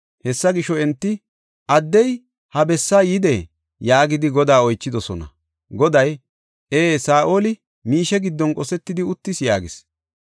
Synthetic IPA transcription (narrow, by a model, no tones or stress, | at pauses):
hɛsːɐɡɪʃɔɛnt̪ːɪ | ʔɐd̪ːɛj | hɐbɛsːaːjɪd̪ɛ | jaːɡɪd̪ɪɡɔd̪aːɔjt͡ʃːɪd̪ɔsɔnɐ̰ | ɡɔd̪ɐj | eːsaːʔoːlɪ | miːʃɛɡɪd̪ːɔnkʼɔsɛt̪ːɪd̪ɪʊt̪ːɪsjaːɡɪs